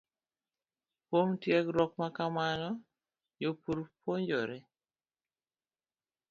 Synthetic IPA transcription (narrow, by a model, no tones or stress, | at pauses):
pwomtjɛkɾɔkmakamanɔ | jopuɾpoɲd͡ʒɔɾɛ